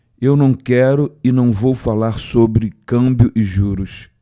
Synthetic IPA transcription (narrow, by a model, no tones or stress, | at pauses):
ewnɐ̃w̃kɛɾʊɪnɐ̃w̃vowfalaɾsobɾɪkɐ̃bjʊʔɪʒuɾʊs